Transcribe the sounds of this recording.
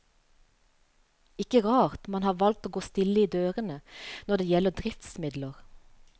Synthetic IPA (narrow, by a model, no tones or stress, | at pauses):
ɪkəʁɑːʁt̪mɑnhɑːʁʋɑl̚t̪oːɡoːst̪ɪləiːd̪øːʁənənɔd̪eːjɛləd̪ʁɪft̪smɪd̪ləʁ